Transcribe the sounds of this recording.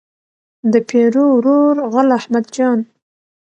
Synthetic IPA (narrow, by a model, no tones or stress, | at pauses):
d̪əpʰeɾowɾoɾɣʊlahmad̪d͡ʒɑn